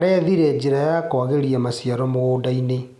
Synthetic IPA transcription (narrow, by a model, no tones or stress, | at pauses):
ɾɛðiɾeːd͡ʒiɾajakɔaɣeɾiamasjaɾɔmoɣoːdaine